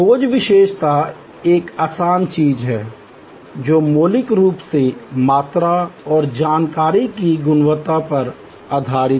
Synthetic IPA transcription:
oːd͡ʒʋɪʃeːʃt̪a | eːkaːsaːnt͡ʃiːd͡ʒɦɛː | d͡ʒoːmoːlɪkɾuːpsemaːt̪ɾaɔːɾd͡ʒaːnkaːɾikiɡʊnwət̪apɐɾ | aːd̪ʱaːɾɪt̪

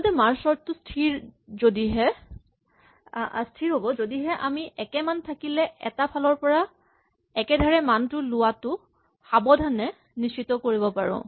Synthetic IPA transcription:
tɛmaɹsɔɹtːʊstʰiɹzodiɦɛ | stʰiɹɦobɔzodiɦɛʔamiʔɛkɛmantʰakilɛɛ̰tapʰalɔɹpɔɹa | ɛkɛdʱɔɹɛmantʊlʊwatʊ | xabɔdʱanɛ | nisitɔkoɹiβɔpaɹʊ̰̃

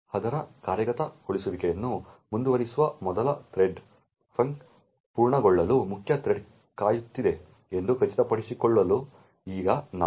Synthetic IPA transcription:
hɐd̪ɐɾɐkaːɾjɐɡɐt̪ɐhoɭisuʋikejɐnːumund̪uʋɐɾisuʋɐmɔd̪ɐlɐt̪ɾeɖ | pʰɐŋ | puːɾɳɐɡɔɭːɐlumukʰjɐt̪ɾeɖ | kaːjut̪ːid̪e̞ | end̪ukɐt͡ʃːi̥t̪ɐpɐɽisikɔɭːɐlu | iːɡɐna

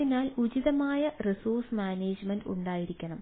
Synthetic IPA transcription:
inaːlud͡ʑiðɐmaːjɐrisoːrsmaːneːd͡ʑmɐnɖṵɳɖaːjiɾikʲːɐɳɐm

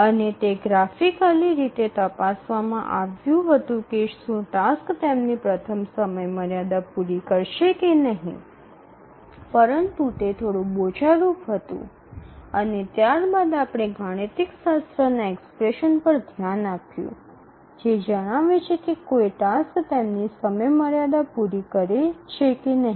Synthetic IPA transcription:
ənet̪eɡɾafikaliɾit̪et̪əpasʋamã̰ʔaʋjũɦət̪ũkeʃũʈaskt̪emnipɾət̪ʰəmsəməjməɾjad̪apuɾikəɾʃekenəɦḭ̃ | pəɾənt̪ut̪et̪ʰoɽũbot͡ʃaɾupɦət̪ṵ̃ | ənet̪jaɾbad̪apɽ̃eɡaɽ̃it̪iksə̃sənaekspɾeʃənpəɾd̪ʱjanapjṵ̃ | d͡ʒed͡ʒəɽ̃aʋet͡ʃʰekekoiʈaskt̪emnisəməjməɾjad̪apuɾikəɾet͡ʃʰekenəɦ

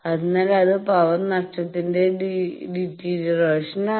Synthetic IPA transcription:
ɐðunːaːlɐðɨpɐʋɐnnɐʂʈɐt̪ːinde̞iɖiʈːiːɾɐreːʂɐna

